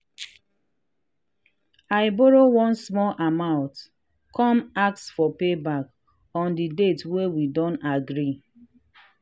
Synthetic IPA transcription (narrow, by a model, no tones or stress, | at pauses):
aɪbɔɹowɔ̃nsmɔlʔamãʊ̃nt | kʰɔ̃mak̚sfɔpebak | ɔ̃ndidetwewidɔ̃ntaɡɹi